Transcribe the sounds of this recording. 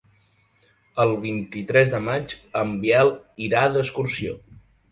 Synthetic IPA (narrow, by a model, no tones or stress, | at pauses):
əlˠβ̞int̪it̪ɾɛzðəmad͡ʒəmbjɛlˠiɾaðəskursio̰